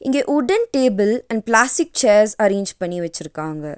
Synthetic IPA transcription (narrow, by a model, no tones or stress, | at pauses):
ɪŋɡeːʔʊɖɐnʈeːbɐlɐ̃ɳɖplaːsʈɪk̚t͡ʃeːɾsɐɾeːɲd͡ʒpɐɳːiʋɐt͡ʃːɪɾɯkːaːŋɡɐ